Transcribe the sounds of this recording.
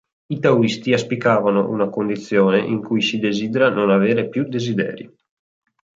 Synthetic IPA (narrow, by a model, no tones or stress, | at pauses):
it̪awist̪iaspikaːvano̰ʔṵnakond̪it̪sːjoːneʔiŋkujsid̪ezid̪eɾanonaveːɾepjud̪ezid̪ɛ̰ːɾḭ